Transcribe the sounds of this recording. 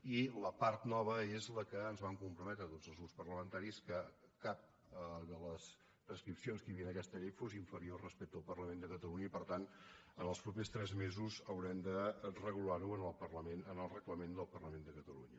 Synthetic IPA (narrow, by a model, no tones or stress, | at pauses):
iləpaɾt̪nɔβ̞əezləkəːnzβaŋkumpɾumɛt̪ɾət̪od͡zəlˠzɣuspərləmənt̪aɾiskəkap̚ | d̪ələs | pɾəskɾipsionskəjəβiənəkɛst̪əʎefoziɱfəɾiorəspɛk̚t̪əəlˠpərləmẽnd̪əkət̪əluɲəipəɾt̪anənəlˠspɾupest̪ɾɛzmezuzəwɾɛmd̪ərəɣulaɾuənəlˠpərləmenənəlˠrəɣləmend̪əlˠpərləmẽnd̪əkət̪əlṵɲə